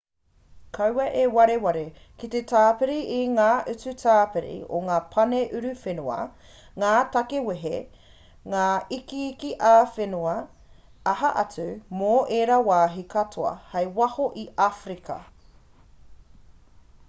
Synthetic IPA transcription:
kʰɐwɐʔewɐɾewɐɾe | kitetʰaːpeɾiʔiŋaːʔʉt͡sʉtʰaːpeɾḭo̰ŋaːpʰɐneʔʉɾʉfenuɐ̰ | ŋaːtɐkeweɦe | ŋaːikiːkiʔaːfenuɐ | ɐɦɐʔɐt͡sʉmoʔeːɾawaːɦikʰɐtʰoɐ̰hɐjwɐhoʔiʔafɾikʰɐ̰

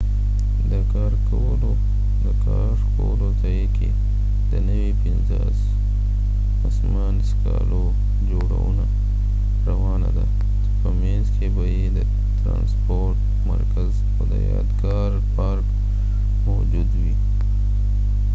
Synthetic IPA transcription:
d̪ɐkaːɾko | lo | d̪ɐkaːɾkoːlot̪ɐike | d̪ɐnɐwipinza | s | ɐsmaːnska̰ːlo | d͡ʒoːɽa̰una | ɾɐwaːna̰d̪a | t̪o̥pɐmẽzkʰebɐjed̪ɐ | t̪ɾã̰ːnspoːɾʈ | mɐ̰ɾkəz | oːd̪ɐ̰ja̰ːd̪ɡaːɾ | paːɾk | mɔːd͡ʒuːd̪wiː

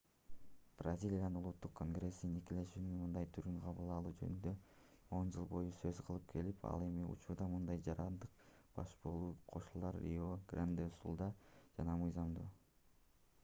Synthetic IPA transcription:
b̥razʲilʲijannulˠut̪ːuqkʰːo̞nɡre̞sninikile̞ʃyːnynmɯnd̪ɑjt̪ʰyɾyŋqʰɑβɯlˠɑlˠuːd͡ʒønynd̪ø̞ | o̞nd͡ʒɯlˠbo̞jusø̞zqʰɯlˠɯp̚kʰe̞lipʰɑ̰lˠe̞miṵt͡ʃuɾd̪ɑmɯnd̪ɑjd͡ʒɑɾɑnd̪ɯq̚b̥ɑʃbo̞lˠuːqʰo̞ʃulˠɑɾḭoɡrand̪esṵlˠd̪ɑd͡ʒɑnɑmɯjzɑmd̪uː

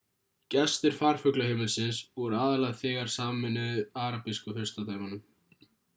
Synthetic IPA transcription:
cɛst̪ɪɾ̥faːɾ̥fʏklʏhɪːmɪlsɪnsvɔɾʏaːðalaɣθɛːɣaɾ̥saːmɪnʏðaːɾapiskʏhʏ̥st̪at̪aːjmanʏm

